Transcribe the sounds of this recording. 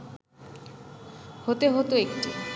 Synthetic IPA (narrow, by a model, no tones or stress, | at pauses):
hot̪eɦot̪oekʈi